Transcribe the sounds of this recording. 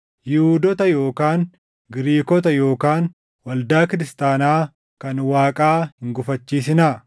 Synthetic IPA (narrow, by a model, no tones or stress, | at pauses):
jɪhuːd̪ɔt̪ɐjo̞ːkaːn | ɡɪɾiːkɔt̪ɐjo̞ːkaːn | wɐld̪aːkɪɾɪst̪aːnaː | kɐnwaːkʼaːhɪŋɡʊfɐt͡ʃːiːs̬ɪna